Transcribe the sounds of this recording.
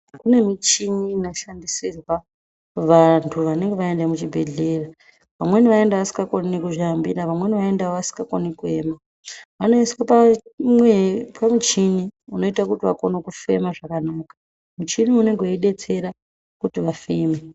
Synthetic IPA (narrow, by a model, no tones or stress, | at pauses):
kune̞mit͡ʃiniːnoʃandisirwa | ʋantʰuʋane̞ŋɡeʋae̞ndemut͡ʃibʱe̞ɮe̞ːra | ʋamwe̞niʋae̞ndaʋasi̥ŋɡakoninikuʐambḭɾaʋamwe̞niʋaendawoʋasi̥ŋɡakonikue̞ma | ʋanoiswapamwepamit͡ʃiniuno̞itakutiʋa̰ko̞nokufe̞̰maʐakanaːkḁ | mut͡ʃiniuneŋɡeiɗe̞t͡se̞ɾa | kutiʋafeːme